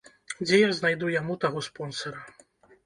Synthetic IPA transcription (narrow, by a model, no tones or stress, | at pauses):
d͡zʲɛjaznajd̪ujamut̪aɣɔspɔnsɐɾɐ